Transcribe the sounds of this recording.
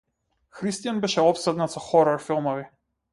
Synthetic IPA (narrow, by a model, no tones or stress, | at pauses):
xɾist̪ijanbɛʃɛɔpsɛd̪nat̪sɔxɔɾɔɾfilˠmɔvi